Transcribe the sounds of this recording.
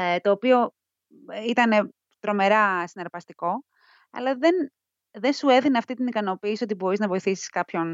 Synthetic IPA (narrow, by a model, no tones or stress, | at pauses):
t̪o̞ːpio̞ | it̪ɐne̞ | t̪ɾo̞me̞ɾɐsinɐɾpɐst̪iko̞ | ɐ̰lɐðen | ðensue̞ðineɐft̪it̪inikɐno̞piːsiot̪ibo̞ɾiznɐvo̞iθisi̥skɐpço̞n